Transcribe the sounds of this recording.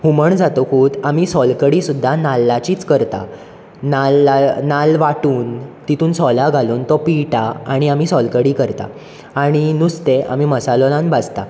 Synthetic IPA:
huməɳd͡zat̪okuːd̪amiːsɔlkəɽiːsud̪ʱːanalːat͡ɕiːt͡skəɾt̪a̰ | nalːanalʋaʈuːnt̪it̪ʰuːnsɔlaɡʱaluːnt̪ɔpiʈaa̰ɽ̃iam̤isɔlkəɽiːkəɾt̪a̰ | aɽ̃inust̪eʔa̰m̤iməsalɔlãnbad͡zt̪a

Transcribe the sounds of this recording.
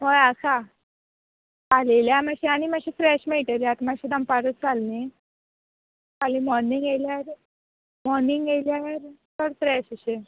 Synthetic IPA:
ɦojasa | aleljamaɕiañimaɕifɾɛɕmeʈəɾjat̪maɕid̪əmpaɾət͡sd͡zalne | alimɔɾniŋɡeljaɾ | mɔɾniŋɡejljaɾt̪əɾfɾɛɕəɕe

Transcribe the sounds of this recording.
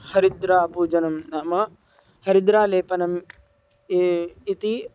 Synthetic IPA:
hɐɾid̪ɾaːpuːd͡ʒɐnɐmnaːmɐ | hɐɾid̪ɾaːleːpɐnɐm | it̪i

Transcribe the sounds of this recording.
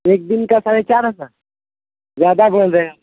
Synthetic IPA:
ek̚d̪inkasaɽet͡ʃaɾəsa | zjad̪abəɭd̪a

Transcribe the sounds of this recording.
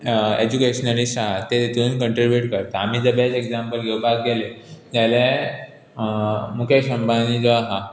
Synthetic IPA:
ed͡ʑukeɕnəlisaat̪et̪unkə̃ɳʈɾibjuʈkəɾt̪aamiːd͡zəbed͡zeɡd͡zampəlɡʱewbak̚ɡelet̪jale | mukʰeɕəmbʱanid͡zɔaɦa

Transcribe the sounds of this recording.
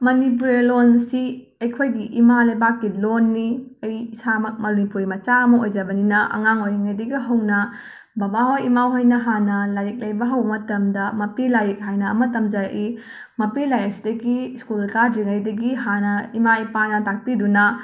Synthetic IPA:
mɐnip̬uɾelonsi | ɐjkʰojɡiʔimalɐjbakːilonːiɐjisamɐk̚mɐɾunipuɾimɐt͡ʃaɐmɐojd͡ʒɐbɐninɐʔɐ̰ŋaŋojɾiŋɐjdɐɡiɦɐwnɐ | bɐbaɦojimawɦojnɐɦanɐlaɾik̚lɐjbɐɦɐwbɐmɐtɐmdɐmɐpilaɾik̚ɦajnɐːmɐtɐmd͡ʒɐɾɐ̰ʔi | mɐpilaɾik̚sidɐɡiskulkaɾd͡ʒiŋɐjdɐɡiɦanɐimaipanɐtak̚pidunɐ

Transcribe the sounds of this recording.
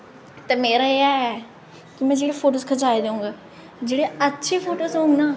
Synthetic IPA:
t̪ɛːmeːɾaːeaɛː | kɪmɛ̃ːd͡ʒeːɽeːpʰoːʈoːskʰət͡ʃaːed̪eːũːŋɡaː | d͡ʒeːɽeːətːʃʰeːpʰoːʈoːsɦõːŋɡnaː

